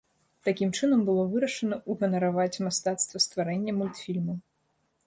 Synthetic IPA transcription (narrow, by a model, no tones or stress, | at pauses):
t̪akʲimt͡ʂɨnɐmbɨlˠɔvɨɾɐʂɐnɐuɣɐnɐɾavat͡sʲmast̪at̪st̪vɐst̪vaɾɛnʲːɐmulʲt̪fʲilʲmu